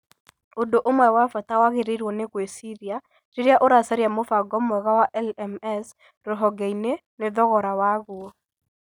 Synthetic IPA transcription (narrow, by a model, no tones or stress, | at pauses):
odoʔomwɛwafatawaɣeɾeɾwɔneɣwesiɾia | tiɾaʔoɾasaɾjamofaɡɔmɔɣawaʔɛlɛmɛs | ɾoɦɔɡeineneðɔɣɔɾawaɣuɔ